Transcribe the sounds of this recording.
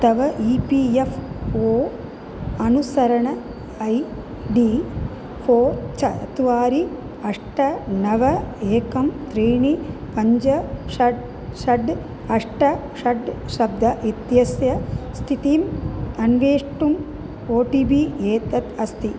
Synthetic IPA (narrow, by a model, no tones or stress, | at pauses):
t̪ɐʋɐʔiːpiefʰoː | ɐnusɐɾɐɳɐ | ɐj | ɖiː | foːɾt͡ʃɐt̪uʋaːɾi | ɐʂʈɐnɐʋɐeːkɐmt̪ɾiːɳipɐɲd͡ʒɐʃɐɖ | ʃɐɖ | ɐʂʈɐ | ʃɐɖʃɐbd̪ʱɐʔit̪jɐsjɐst̪ʰit̪iːmɐnʋeːʂʈum | oːʈiːbieːt̪ɐt̪ɐst̪ʰi